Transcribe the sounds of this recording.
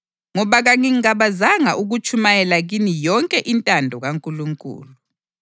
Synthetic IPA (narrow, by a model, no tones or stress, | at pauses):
ŋɔβaɣaŋiŋaβazaŋaʔuɣut͡ʃʰumajɛlaɣinijɔŋkʼɛʔintʼandʱɔɣaŋkʼuluŋkʼṵːluu